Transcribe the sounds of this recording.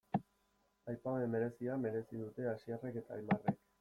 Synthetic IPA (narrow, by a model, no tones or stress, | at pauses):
ajpaoeme̞ɾe̞siame̞ɾe̞siðut̪e̞asiare̞ke̞t̪aːjmarek